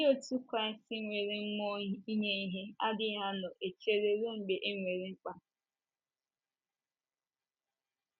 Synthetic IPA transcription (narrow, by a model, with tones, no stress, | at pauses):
ɪ˦o˦tu˦kɾa˦ɪ˦sti˦ŋʷe˨ɾi˦ŋ͡m̩˦mo˦i˦ɲe˦i˦ɦe˦a˦dɪ˦ɦa˦nʊ˨ʔe˨t͡ʃe˦ɾe˦ɾo˦ŋ͡m̩˨ɡ͡be˨ʔe˦ŋʷe˨ɾi˦ŋ͡m̩˦k͡pa˦